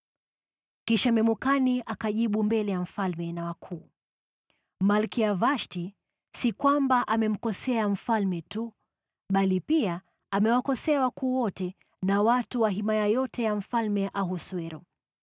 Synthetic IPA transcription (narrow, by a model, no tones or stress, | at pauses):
kiʃamɛmukaniʔakaʄiɓumbɛlɛjam̩falmɛnawakʰuː | malkiavaʃti | sikwambaʔamɛm̩kɔsɛaɱ̩falmɛtu | ɓalipia | amɛwakɔsɛawakuːwɔtɛ | nawatuwaɦimajajɔtɛjaɱ̩falmɛʔaɦuswɛɾɔ̰